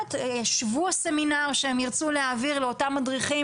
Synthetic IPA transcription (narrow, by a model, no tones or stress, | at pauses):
tjaʃvuaseminaʁʃeemjiʁt͡suleaːviʁleo̞tamːadʁiχi